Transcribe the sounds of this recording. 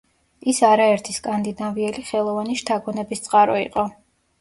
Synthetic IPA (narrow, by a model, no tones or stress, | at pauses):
isaɾaɛɾt̪ʰiskʼand̪inaviɛliχɛlˠɔvaniʃt̪ʰaɡɔnɛbist̪sʼqʼaɾɔḭqʼɔ